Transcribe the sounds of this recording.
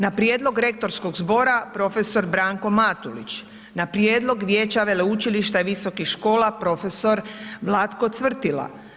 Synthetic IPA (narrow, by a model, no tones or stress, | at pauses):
napɾʲje̞ːd̪lo̞ɡɾe̞k̚t̪o̞ɾsko̞ɡzbo̞ɾapɾo̞fe̞so̞ɾbɾaːŋko̞mat̪ulḭt͡ʃ | napɾje̞ːd̪lo̞ɡʋjeːt͡ɕaʋe̞leut͡ʃiliʃt̪aʋiso̞kixʃko̞ːlapɾo̞fe̞so̞ɾʋlˠat̪kot̪sʋr̩t̪ila̰